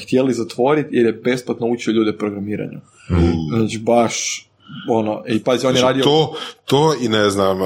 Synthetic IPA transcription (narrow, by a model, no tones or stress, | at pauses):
xt̪jelizat̪ʋo̞ɾit̪jeɾjebe̞splˠat̪nout͡ʃioʎuːd̪epɾoɡɾamiːɾa̰ɲṵ | znat͡ʃibaʃ | onoʔipazit͡ʃonjeɾaːd̪ijoot̪oinɛznam